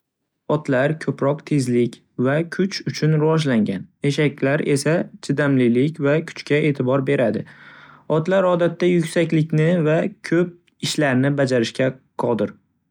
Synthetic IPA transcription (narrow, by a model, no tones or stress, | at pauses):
ɒt̪laɾkʲʰɵpɾɒqt̪ʰe̞zlɪkʲ | vakʲʰʊt͡ʃʰʊt͡ʃʰʊnɾɪvɒʒlaŋɡʲaneʃakʲlaɾe̞sat͡ʃʰɪd̪amlɪlɪkʲvakʰʊ̥t͡ʃkʲae̞ːt̪ʰɪbɒɾbe̞ɾad̪ɪɒt̪laɾɒd̪at̪ːajʊkʲsakʲlɪkʲnɪvakʲʰɵp̚ | ɪʃlaɾnɪbad͡ʒaɾɪʃkʲaqʰɒlˠd̪ɪɾ